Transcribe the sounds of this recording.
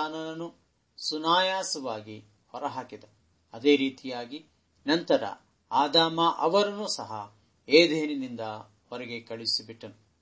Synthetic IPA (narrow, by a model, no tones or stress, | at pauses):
aːnɐnɐnu | sunaːjaːsɐʋaːɡi | hɔɾɐɦaːkid̪e | ɐd̪eːɾiːt̪ijaːɡi | nɐnt̪ɐɾɐ̰ | aːd̪aːmɐʔɐʋɐɾɐnusɐɦɐ | eːd̪ʱeːninind̪ɐ | ɔɾɛɡe̞kɐɭisibiʈːɐnu